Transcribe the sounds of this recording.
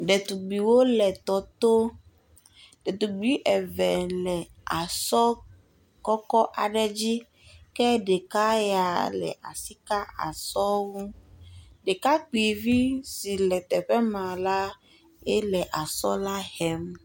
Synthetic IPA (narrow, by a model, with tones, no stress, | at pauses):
ɖɛ˨t̪u˨ɡ͡bi˨wo˦lɛ˨t̪ɔ˨t̪o˦ | ɖe˨t̪u˨ɡ͡bi˦ʔɛ˨vɛ˨lɛ˨ | a˨sɔ˦ | kɔ˦kɔ˦ʔa˨ɖɛ˦d͡ʑi˦ | kɛ˦ɖe˨ka˦ja˨lɛ̰˨ʔa̰˨si˦ka˦a̰˨sɔ˦wu˦ | ɖe˨ka˦k͡pi˨vi˦si˨lɛ˨t̪ɛ˨ɸɛ˦mã˨la˦ | ɛ˦lɛ˨ʔa˨sɔ˦la˦hɛ˨m